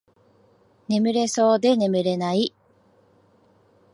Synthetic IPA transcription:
ne̞mɯ̟ɾe̞so̞ːd̪e̞ne̞mɯ̟ɾe̞nai

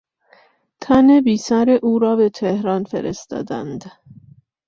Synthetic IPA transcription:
t̪ʰænebiːsæɾeʔuːɾɒːbet̪ʰehɾɒːnfḛɾʔḛst̪ɒ̰ːd̪æ̰nd̪

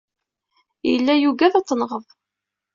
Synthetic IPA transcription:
jəlːæjuɡæθɑt͡s̪ˤːnʁəðˤ

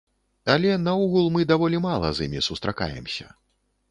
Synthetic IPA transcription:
alʲɛnauɣulˠmɨd̪avɔlʲimalˠɐ̰zimʲisust̪ɾaka̰jɛ̰msʲɐ

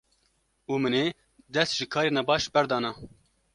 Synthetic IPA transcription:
uːmɨneː | d̪ɛst̪ʒɨkʰɑːɾeːnɛbɑːʃbɛɾd̪ɑːnɑ

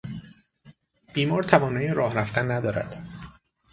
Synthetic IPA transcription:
b̥iːmɒːɾt̪ʰævɒːnɒːjeɾɒːhræft̪ænːæd̪ɒːɾæ̰d̪̥

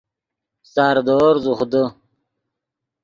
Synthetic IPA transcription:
sɑːɾd̪oːɾzuχd̪ə

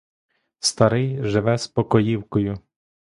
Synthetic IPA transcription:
st̪ɐɾɪjʒɪʋɛspɔkɔjiwkɔjʊ

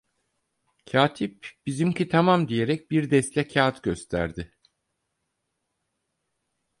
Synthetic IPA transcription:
cʰaːt̪ʰipb̥izimcit̪ʰamamd̪ije̞ɾɛc̚biɾd̪ɛst̪lʲɛcʰaːt̪ɟø̞st̪ʰæ̰ɾd̪ɪ

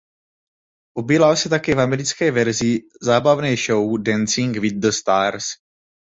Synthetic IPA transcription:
ʔobiːlalsɛt̪akɛːvamɛɾɪt͡skɛːvɛɾzi | zaːbavnɛːʃowdɛnt͡siŋɡvid̪̚d̪əst̪aːɾs

